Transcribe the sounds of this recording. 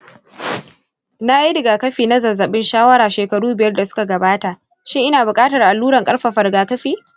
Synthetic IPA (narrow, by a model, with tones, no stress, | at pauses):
na˦i˦dɪ˨ɡaː˨kɐ˦ɸiː˨na˦zɐ˨zːɐ˨ɓɪ˦nʃaː˦wɐ˦ɾaː˨ʃeː˨kɐ˨ɽuː˦bɪ˨jɐ˦rda˨sʊ̥˦ka˨ɡɐ˨baː˦ta˨ʔ | ʃɪ˦ŋʔɪ˦naː˨bʊ˨kʼaː˦tɐ˨rʔa˨lːuː˦ɽɐ˨ŋkʼɐ˦ɽɸa˨ɸɐ˨rɡaː˨kɐ˦ɸiː˨